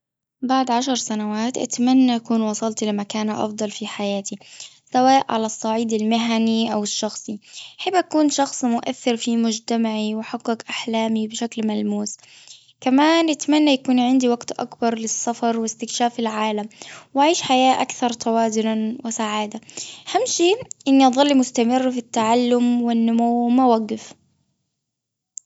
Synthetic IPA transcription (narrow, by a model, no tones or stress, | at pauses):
baʕd̪ʕaʃɑɾˤsanawaːt̪ʔa̰t̪manːaʔakuːnwɑsˤɑlt̪ilɪmakaːnʔɑ̰fd̪ˤɑlfiħajaːt̪i | sawaːʔʕa̰lasˤːɑʕiːd̪almɪɦaniʔawɪʃːɑxsˤiħɪbːʔakuːnʃɑxsˤmʊʔa̰θːɪɾfimʊd͡ʒt̪amaʕiwɪħaɡːɪkʔaħlaːmibɪʃaklmalmuːs | kamaːnʔɪt̪manːajakuːnʕɪnd̪iwaɡt̪ʔa̰kbɑɾˤlɪsːɑfɑɾˤwɪst̪ɪkʃaːfɪlʕaːlamwaʕiːʃħajaːʔakθɑɾˤt̪ʰawaːzʊnawɪsaʕaːd̪ahamːʃiːʔɪnːiʔɑðˤɑlːimʊst̪amɪrːfit̪ːaʕalːʊmwɪnːʊmuːmawaɡːɪf